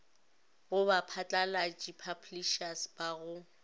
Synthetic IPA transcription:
ɣʊbapʰat͡ɬʼalat͡ʃʼipʰabliʃasb̥aɣʊ

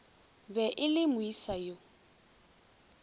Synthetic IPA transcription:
bɛʔɪlɪmʊisajo

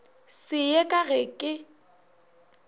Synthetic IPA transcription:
sɪekʼaɣɛkʼɪ

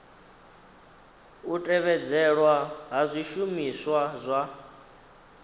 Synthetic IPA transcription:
utʼɛβɛd͡zɛɺwaɦazʷiʃumiswazʷa

